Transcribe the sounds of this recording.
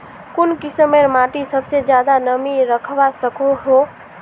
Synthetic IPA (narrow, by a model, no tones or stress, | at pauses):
kunkisəmːeɾmaʈisəbsed͡ʒjad̪anəmiɾəkʰbasəkoɦo